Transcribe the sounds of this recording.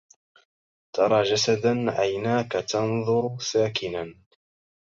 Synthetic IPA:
t̪ʰɑɾˤɑːd͡ʒasad̪anʕajnaːkat̪ɑnðˤʊɾsaːkɪnan

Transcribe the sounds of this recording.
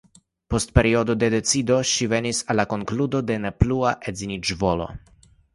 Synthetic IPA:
po̞st̚pe̞ɾio̞do̞de̞de̞t͡sido̞ʃive̞nisalːako̞ŋkludo̞de̞ne̞pluaʔezinid͡ʒvo̞lo̞̰

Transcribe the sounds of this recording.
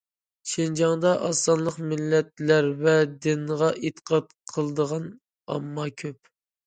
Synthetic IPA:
ʃend͡ʒɑŋd̪ɑʔɑsːɑnlˠəqmɪlːɛt̪læɾvɛd̪ɪnʁɑʔet̪ʰə̥qʰɑt̪qʰəlˠəd̪əʁɑn | ɑ̰mːɑkʲʰøp̚

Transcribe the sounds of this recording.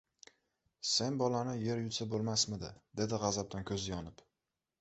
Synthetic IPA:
se̞nbɒlanɪje̞ɾjʊt̪sabolˠmasmɪd̪ɪ̰d̪e̞d̪ɪʁɑzap̚d̪ankʲʰɵzɪjɒnɪp

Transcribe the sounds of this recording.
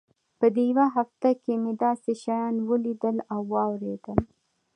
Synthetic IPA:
pəd̪ejwaɦaft̪akemed̪ɑseʃajɑnwəlid̪əlawːɑwɾed̪əl

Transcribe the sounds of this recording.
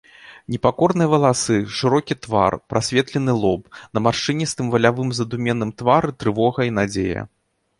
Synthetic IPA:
nʲɛpakɔrnɨjɐvɐlˠasɨʂɨɾɔkʲit̪va̰rpɾʔasʲvʲɛt̪lʲɛn̪ɨlˠɔpnɐmarʂɨnʲɛst̪ɨmvɐlʲavɨmzɐd̪umʲɛnːɨmt̪vaɾɨt̪ɾɨvɔɣɐinad͡zʲejɐ̰

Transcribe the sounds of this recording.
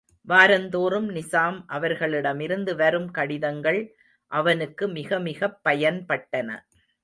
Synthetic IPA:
ʋaːɾɐnd̪oːɾɯmnɪsaːmʔɐʋɐɾɣɐɭɪɽɐmɪɾɯnd̪ɯʋɐɾɯmkɐɽɪðɐŋɡɐɭ | ʔɐʋɐnɯkːɯmɪɣɐmɪɣɐpːɐjɐnpɐʈːɐnɐ̰

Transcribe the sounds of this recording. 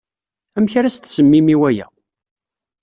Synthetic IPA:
æmçɾæst̪səmːimiwæjæ̰

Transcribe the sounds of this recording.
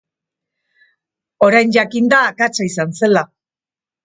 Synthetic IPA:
o̞ɾajnd͡ʒakind̪aːkat͡saisanse̞la

